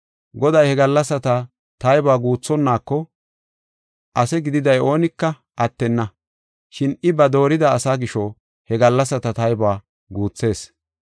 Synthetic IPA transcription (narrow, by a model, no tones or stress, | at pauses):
ɡɔd̪ɐjhɛɡɐlːɐsːɐt̪ɐ | t̪ɐjbaːɡuːt͡sːɔnːaːkːɔ | ʔɐsɛɡɪd̪ɪd̪ɐjo̞ːnɪkːɐ | ʔɐt̪ːɛnːɐ | ʃɪnɪbɐd̪o̞ːɾɪd̪ɐːsaːɡɪʃɔ | hɛɡɐlːɐsːɐt̪ɐt̪ɐjbaː | ɡuːt͡sːe̞ːs